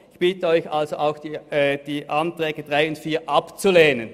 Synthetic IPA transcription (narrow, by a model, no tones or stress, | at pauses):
ɪçb̥ɪtəɔʏçʔalzoʔaʊxd̥id̥iːʔantʁ̥ɛːɡəd̥ʁaɪʊntfiːɐʔapt͡suleːnən